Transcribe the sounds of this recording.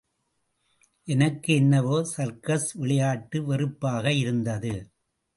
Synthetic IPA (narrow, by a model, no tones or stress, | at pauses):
ʔɛnɐkːɯɛnːɐʋoːsɐɾkɐsʋɪɭɐjaːʈːɯʋɛrɯpːaːɣɐɪɾɯnd̪ɐðɯ